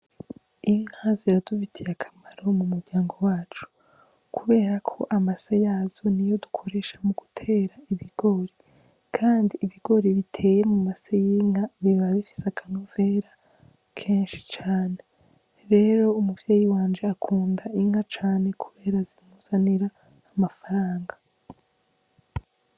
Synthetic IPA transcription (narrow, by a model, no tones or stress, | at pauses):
iŋhaziɾadufitʰijakʰḁmaɾo̞mumuɾɟaːŋɡo̞waːt͡ʃu̥ | kʰuβe̞ːɾakʰo̞ʔamasejaːz̥o̞nijo̞du̥kʰo̞ɾe̞ʃḁmuɡ̥utʰe̞ːɾaiβiɡ̥o̞ɾi | kʰaːndiːβiɡ̥o̞ɾiβitʰe̞ːjemumasejiŋaβiβaβifi̥sakʰanove̞ɾa | kʰeːnʃi̥t͡ʃaːne̞ | ɾe̞ɾo̞umuvjeːjiwaːnd͡ʒeakʰuːndaiŋat͡ʃaːne̞kʰuβe̞ːɾazimuz̥aniɾaː | mafaɾaːŋɡa